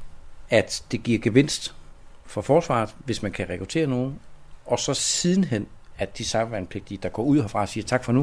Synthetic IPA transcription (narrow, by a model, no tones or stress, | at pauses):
æd̥d̥e̝ɡ̥iɐ̰ɡ̥eʋe̝n̰sd̥fɒ̽fɒːsʋɑ̰̈ːð̩ˠʋe̝smænkʰæʁɛkʁut͡sʰe̝̰ːɐno̝ːn̩ʔɒ̽sɒ̽sið̞ˠn̩ɦen̰æd̥isɑ̈ʋænpʰle̝ɡ̥̚d̥id̥ɑ̈ɡ̥ɒ̰ːuð̰ˠfʁɑ̈siːɐt͡sʰɑ̈ɡ̥fɒ̽nu